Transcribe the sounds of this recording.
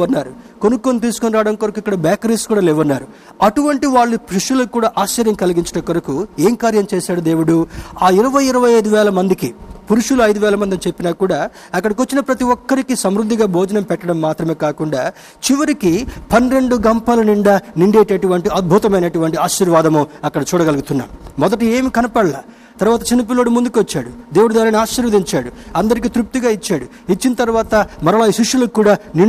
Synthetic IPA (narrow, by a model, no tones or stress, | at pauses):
ɐnːaːɾukonukːoːnt̪̬iːsukoniɾaːɽɐmkoɾɐkuikːɐɽɐbaːkɐɾeskuːɽaːlɛːʋɐnːaːɾu | ɐʈuʋɐɳʈiʋaːɭːupɾiʂulɐkːuːɽaːʔaːʃt͡ʃɐɾjɐmkɐlɐɡiɲt͡ʃɐ̥ʈɐkːoɾɐkueːmkaːɾjɐmt͡ʃɛːʃaːɽud̪e̞ːʋuɽuaːiɾɐʋɐjiɾɐʋɐjɐjd̪uʋɛːlɐmɐnd̪ikipuɾuʂuluɐjd̪uʋɛːlɐmɐnd̪ɐnit͡ʃe̞pːinaːkuːɽaː | ɐkːɐɽɐkʋot͡ʃːinɐpɾɐt̪iʋɔkːɐɾikisɐmɾud̪ːiɡaːbʱoːd͡ʒɐnɐmpɛʈːɐɽɐmːaːt̪ɾɐmeːkaːkuɳɖaː | t͡ʃiʋɐɾikipɐnɾe̞ɳɖuɡɐmpaːlɐniɳɖaːniɳɖeːʈeːʈuʋɐɳʈiʔɐd̪̚bʱut̪ɐmɐjnɐʈuʋɐɳʈiaːʃiːɾʋaːd̪ɐmuɐkːɐɽɐt͡ʃuːɽɐɡɐlɐɡut̪unːa̰ːmumɔd̪ɐʈ̬ieːmikɐnɐpɐɽɐla̰ː | t̪ɐɾʋaːt̪̬ɐt͡ʃinip̬ilo̞ːɽimund̪ukʋɐt͡ʃːaːɽud̪eːʋuɽud̪aːɾiniaːʃːɐɾʋɐd̪iɲt͡ʃaːɽuɐnd̪ɐɾikiːt̪ɾup̚t̪uɡaːit͡ʃːaːɽu | it͡ʃːinɐt̪ɐɾʋaːt̪ɐmɐɾɐlaːjiʃiʂːulɐkːuːɽaːni